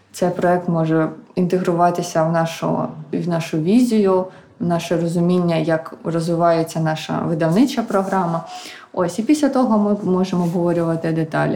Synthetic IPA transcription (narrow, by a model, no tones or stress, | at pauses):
tsɛjpɾɔɛk̚t̪mɔʒɛint̪eɦɾʊʋɑt̪ɪsʲɐwnɑʃʊ̰iwnɑʃʊʋʲizʲijʊ | wnɑʃɛrɔzʊmʲinʲːɐjɐkrɔzʋɪʋɑjet͡sʲːɐnɑʃɐ̰ʋɪd̪ɐwnɪt͡ʃɐpɾɔɦɾɑmɐ | ɔsʲipʲisʲlʲɐt̪ɔɦɔmɪmɔʒemɔɔbɦɔʋɔɾʲʊʋɐt̪ɪd̪et̪ɑ̰lʲ